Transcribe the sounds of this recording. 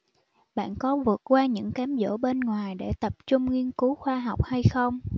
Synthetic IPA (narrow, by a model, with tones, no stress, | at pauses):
ɓa̰ː˧˨nkɔ˨˦vɨ˨˩ət̚kwaː˧ɲɨ̰˧˥ŋkaː˨˦mzo̰˧˥˩ɓe˧nŋwaː˨˩jɗḛ˧˩t̪ə˨˩p̚t͡ɕʊ˧ŋ͡mŋi˧ənku˨˦xwaː˧ɦa˨˩wk͡p̚ha˧jxə˧wŋ͡m